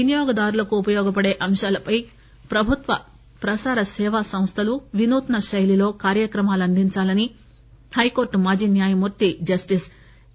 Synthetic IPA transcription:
ʋinijɔːɡɐd̪aːɾulɐkuːpɐjɔːɡɐpɐɽe̞ːʔɐmʃaːlɐpɐj | pɾɐbʱut̪ʋɐ | pɾɐsaːɾɐsɛːʋaːsɐ̃mst̪ʰɐluʋinuːt̪ɐnɐʃɐjlilo̞ːkaːɾjɐkɾɐmaːluɐnd̪ʱiɲt͡ʃaːlɐni | hɐjko̞ːɾʈmaːd͡ʒiːnjaːjɐmuɾt̪id͡ʒɐsʈis

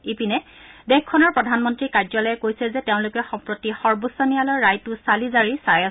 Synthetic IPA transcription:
ipinɛdɛkkʰːɔnɔɹpɹɔdʱanmɔntɹikaɹzɔlɔjɛkojsɛzɛteʊ̃lʊkɛxɔmpɹotixɔɹbusɔnijalɔɹːajtʊsalizaɹisaja

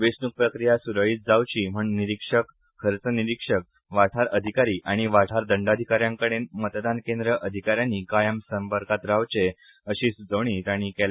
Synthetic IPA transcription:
ʋesnuk̚pɾəkɾijasuɾəɭiːt̪̚d͡zawt͡ɕiːm̤əɳniɾikʂək | kʰːəɾt͡səniɾikʂək̚ | ʋaʈʰaɾəd̪ʱikaɾiːʔaɽ̃iʋaʈʰaɾd̪əɳɖad̪ʱikaɾjãŋkəɽenmət̪d̪ankẽnd̪ɾəʔəd̪ʱikaɾjaniːkajəmsəmpəɾkat̪ɾaʋt͡ɕe | əɕiːsud͡zəʋɽ̃iːt̪aɽ̃ikela

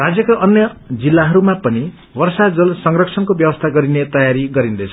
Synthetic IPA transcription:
rad͡zjʌkaʔʌnjʌd͡zilːaɦʌɾumapʌni | bʌrsad͡zʌlsʌŋrʌkt͡sʰʌnkobjʌwʌst̪ʰaɡʌɾinet̪ʌjaɾiɡʌɾind̪et͡sʰʌ

